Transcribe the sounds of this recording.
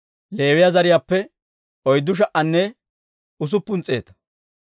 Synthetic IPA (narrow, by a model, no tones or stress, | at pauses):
leːwɪjazɐɾɪjaːpːɛ | ɔjd̪ːʊʃ̬ɐʔɐnːɛ | ʊs̬ʊpːʊnt͡sʼːe̞̰ːt̪ɐ̥